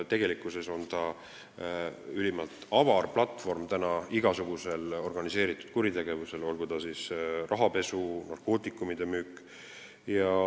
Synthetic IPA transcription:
t̪e̞ɡ̥e̞likːˑuse̞so̞nt̪ɑ | ylʲimɑlt̪ˑɑvɑrplɑt̪ːˑfo̞rmt̪ænɑiɡ̥ɑsuɡ̥use̞lo̞rɡ̥ɑnise̞ːɾit̪ːˑu̥d̪̥̚kuɾit̪e̞ɡ̥e̞vuse̞lo̞lɡ̥ud̪̥ɑsisrɑɦɑpe̞sunɑrko̞ːt̪ːˑikːˑumid̪̥e̞myːkːˑ | jɑ

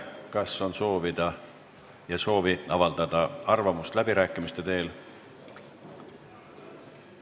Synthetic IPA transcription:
kɑsːo̞nso̞ːvid̪̥ɑ | jɑso̞ːviɑvɑld̪̥ɑd̪̥ɑɑrvɑmust̪læb̥iɾæːkːˑimist̪e̞t̪e̞ːl

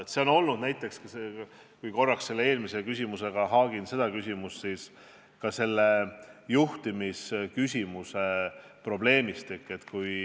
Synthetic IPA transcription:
et̪se̞o̞no̞lnud̪̥næjt̪ːˑe̞kskɑse | kujko̞rːɑkse̞lːee̞ːlmise̞kysʲimuse̞ɡ̥ɑɦɑːɡ̥inse̞d̪̥ɑkysʲimustsis | kɑse̞lːe̞juht̪imiskysʲimuse | pro̞ble̞ːmist̪ekːˑe̞t̪ːkuj

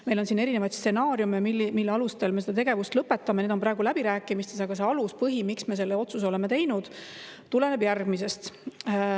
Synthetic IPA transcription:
me̞jlo̞nsine̞ɾine̞vɑjdt̪stse̞nɑːɾjumeilːmilːeɑlust̪elmesed̪̥ɑt̪e̞ɡe̞vust̪lɤpːˑe̞t̪ːˑɑme̞ned̪o̞mpɾɑːɡulæbiɾæːkːˑimist̪e̞sɑɡ̥ɑse̞ɑluspɤɦimiksme̞s̬e̞lːeo̞t̪suso̞le̞me̞t̪ejnud̪̥ | t̪ule̞nebjærɡ̥mis̬e̞st̪

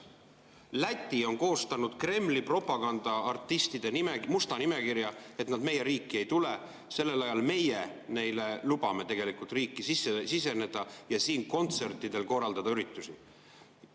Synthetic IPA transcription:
læt̪ʲːio̞nko̞ːst̪ɑnud̪̥kre̞mːlipro̞pːˑɑɡ̥ɑnd̪̥ɑɑrt̪ːˑist̪id̪̥e̞nimemust̪ɑnime̞kiɾjɑe̞t̪nɑd̪me̞jːe̞ɾiːkːie̞jt̪ule̞ | se̞lːe̞lɑjɑlme̞jene̞jle̞lub̥ɑme̞t̪e̞ɡ̥e̞likˑult̪riːkːˑisisːesise̞ne̞d̪̥ɑjɑsiːnko̞nt̪se̞rt̪ːˑid̪̥e̞lko̞rːɑld̪̥ɑd̪̥ɑyɾit̪ːˑusi

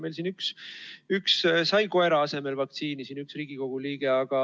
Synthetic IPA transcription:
me̞jls̬inyksykssɑjko̞e̞ɾɑɑse̞me̞lvɑk̚t̪siːnisiːnyksriːɡ̥iko̞ɡ̥uliːɡ̥e̞ɑɡ̥ɑ

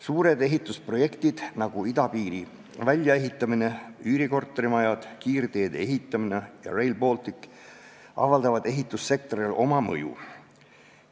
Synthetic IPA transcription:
suːɾe̞d̪e̞ɦit̪ːˑuspro̞je̞kt̪id̪̥nɑɡ̥uid̪ɑpiːɾi | vælʲjɑe̞ɦit̪ːˑɑmine̞yɾiko̞rt̪ːˑeɾimɑjɑd̪̥kiːrd̪̥e̞ːd̪̥ee̞ɦit̪ːˑɑminejɑ̰re̞jlbo̞ːlt̪ikːˑ | ʔɑ̰vɑld̪ɑvɑd̪e̞ɦit̪ːˑusːe̞k̚t̪o̞ɾilo̞mɑmɤ̰jṵ

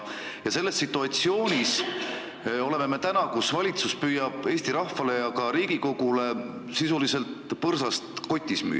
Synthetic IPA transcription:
jɑse̞lːe̞sːit̪ːˑuɑt̪sio̞ːnʲis | o̞le̞me̞me̞t̪ænɑkusvɑlʲit̪suspyjɑb̥e̞ːst̪iɾɑhfɑle̞jɑkɑɾiːɡ̥iko̞ɡ̥ule̞ | sisulise̞lt̪pɤrsɑst̪ko̞t̪ʲːˑismy̰ː

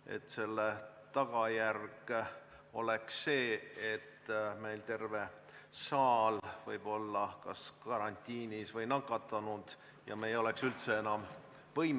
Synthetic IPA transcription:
e̞̰t̪ːˑse̞lːet̪ɑɡ̥ɑjærɡ̥ | o̞̰le̞ksːe̞ːet̪ːme̞jlt̪e̞rve̞ | sɑːlvɤjb̥o̞lːɑkɑskɑɾɑnʲt̪ʲːˑiːnisvɤjnɑkːˑɑt̪ːˑɑnud̪̥ | jɑ̰meːjo̞le̞ksylt̪se̞enɑm | vɤjm

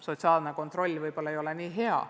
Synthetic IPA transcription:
so̞t̪sɑːlneko̞nt̪ro̞lʲːvɯjb̥o̞lːɑejo̞lenʲiːɦe̞ɑ̰

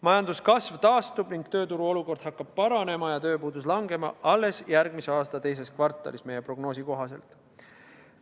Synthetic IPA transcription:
mɑjɑnd̪uskɑsvt̪ɑːst̪ub̥niŋɡ̥t̪ø̞ːt̪uɾuo̞luko̞rd̪̥hɑkːˑɑb̥̚pɑɾɑne̞mɑjɑt̪ø̞ːpuːd̪uslɑŋɡe̞mɑ̰ʔɑlːe̞sjærɡmise̞ɑːst̪ɑt̪e̞js̬e̞skvɑrt̪ːˑɑ̰lisme̞je̞pro̞ɡno̞ːsiko̞ɦɑse̞lt̪ˑ

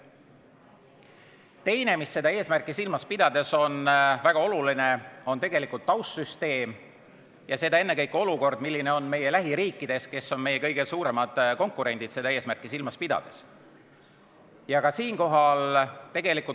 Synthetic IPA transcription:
t̪e̞jne̞misːe̞d̪ɑeːsmærkˑisilmɑspid̪̥ɑd̪̥e̞so̞nvæɡ̥ɑo̞luline̞o̞nt̪e̞ɡ̥e̞likult̪ːɑwssyst̪e̞ːm | jɑse̞d̪ɑe̞nːe̞kɤjkːo̞luko̞rd̪̥milːine̞o̞nme̞jelæɦiɾiːkːˑid̪̥e̞ske̞sːonme̞jːe̞kɤjɡ̥e̞suːɾe̞mɑd̪̥ko̞ŋkːˑuɾe̞nʲd̪̥id̪̥se̞d̪ɑeːsmærkˑisilmɑspid̪ɑ̰d̪̥e̞s | jɑkɑsiːnko̞ɦɑlt̪e̞ɡ̥e̞likˑul

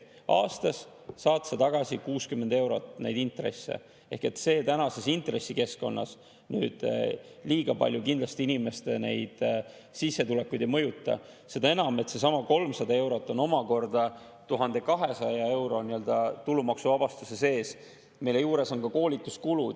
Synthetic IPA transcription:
ʔɑ̰ːst̪ɑsː | ɑːt̪set̪ɑɡ̥ɑsikuːskymːe̞nd̪e̞wɾo̞t̪ːˑnejd̪int̪re̞̰sːe̞̰ | e̞hke̞t̪ːse̞ːt̪ænɑse̞sint̪re̞sːike̞sko̞nːɑ̰s | ny̰ːd̪̥liːɡ̥ɑpɑ̰lʲjukind̪lɑst̪iinime̞st̪ene̞̰jd̪̥ | sisːe̞t̪ule̞kːujd̪ejmɤ̞jut̪ːˑɑ̰ | se̞d̪ɑe̞nɑme̞t̪ːse̞s̬ɑmɑko̞lmsɑd̪ɑe̞wɾo̞t̪ːˑo̞no̞mɑko̞rd̪̥ɑ | t̪uɦɑnd̪e̞kɑɦe̞sɑjɑe̞wɾo̞niø̞ld̪̥ɑt̪ulumɑksuvɑb̥ɑst̪use̞se̞ːs | me̞jle̞juːɾe̞so̞nkɑko̞ːlʲit̪ːˑu̥skulu

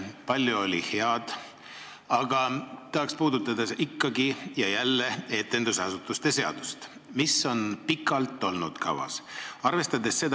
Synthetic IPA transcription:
pɑlʲːjuo̞lʲḭhe̞ɑd̪̥ | ɑɡ̥ɑt̪ːɑhɑkspuːd̪̥ut̪ːˑɑd̪̥ɑikːˑɑɡijɑjælːe̞e̞t̪ːˑe̞nd̪usɑsut̪ːˑust̪e̞se̞ɑ̰d̪̥ust̪ | misːo̞npikːˑɑlt̪ːˑo̞lnud̪̥kʰɑ̰vɑ̰sɑrve̞st̪ɑd̪e̞sːe̞d̪

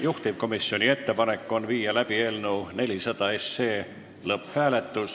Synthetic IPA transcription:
juht̪ib̥̚ko̞misjo̞nʲie̞t̪ːe̞pɑne̞kːˑo̞nviːjɑlæb̥ie̞ːlnune̞lʲisɑd̪̥ɑe̞sːe̞ː | lɤphæːle̞t̪ːˑus

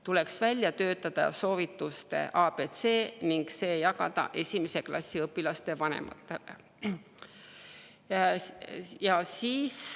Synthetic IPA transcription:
t̪ule̞ksvælʲjɑt̪ø̞ːt̪ːˑɑd̪̥ɑ̰so̞ːvit̪ːˑust̪e̞̰ʔɑːb̥et̪se̞ːniŋɡ̥se̞ːjɑɡ̥ɑ̰d̪̥ɑ̰ʔe̞sʲimese̞klɑsʲːiɤpːilɑst̪e̞vɑnḛmʔɑ̰t̪ːˑe̞̰lḛ | jɑsiːs

